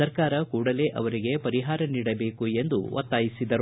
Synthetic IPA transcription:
ɐɾkaːɾɐkuːɽɐle̞ːʔɐ̰ʋɐɾiɡe̞pɐɾiɦaːɾɐniːɽɐbe̞ːkue̞nd̪ṵʋɐ̰t̪ːaːjisid̪ɐɾ

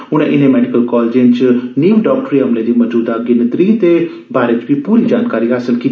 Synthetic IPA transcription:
ʊɽ̃ẽːʔɪnẽːmɛːɖɪkəlkɔːld͡ʒẽnt͡ʃniːʋɖɔːk̚ʈəɾiːɦəmleːd̪iːməd͡ʒuːd̪aːɡɪnət̪ɾiːt̪eː | baːɾeːt͡ʃʋiːpuːɾiːd͡ʒaːnkaːɾiːɦaːsəlkiː

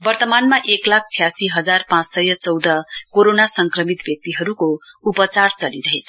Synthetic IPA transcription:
bʌrt̪ʌmanmaʔeklak̚ʰt͡sʰijasiɦʌd͡zarpãt͡ssʌjʌt͡sʌwd̪ʌkoɾonasʌŋkrʌmit̪bjʌk̚t̪iɦʌɾukoupʌt͡sart͡sʌliɾʌɦet͡sʰ

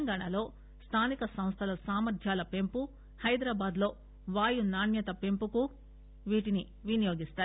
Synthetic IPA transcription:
ŋɡaːɳalo̞ː | st̪ʰaːnikɐsɐ̃m̃st̪ʰɐlɐsaːmɐɾd̪ʰʱjaːlɐpe̞mpu | hɐjd̪ɾaːbaːd̪lo̞ː | ʋaːjunaːnjɐt̪ɐpe̞mpuku | ʋiːʈini | ʋinijo̞ːɡist̪aːɾu

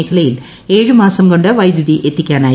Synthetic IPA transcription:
eːkʰɐlɐjil | e̞ːɻɨmaːsɐmko̞ɳɖɨʋɐjd̪juðiʔe̞t̪ːikʲːaːnaː

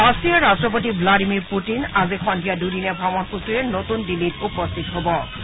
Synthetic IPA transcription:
ɔsiaɾastopot̪ibladimiɾpuʈinazikʰɔndʱijaduɾinebʱɔmɔnkusuɾenot̪unɖilːitupost̪ʰit̪ɔɦobo

